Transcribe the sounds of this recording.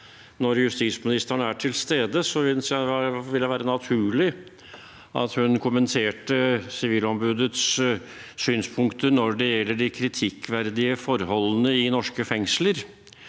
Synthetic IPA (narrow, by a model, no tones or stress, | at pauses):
nɔɾjʉst̪ismɪnɪst̪əɳəæʈʰɪlst̪eːd̪əsɔʋɪsʋɪljæʋæːɾənɑt̪ʰʉːɭɪ | ʔɑ̰t̪hʉnkʰʊmənt̪ʰeːʈəsɪʋiːlɔmbʉːd̪ət̪s | syːnspʰʊŋkt̪ənɔɖɛjɛlːəɖɪkʰɾɪt̪ʰɪkːʋæɾd̪ɪəfɔɾhɔlːənəɪnɔʂkəfɛŋsləɾ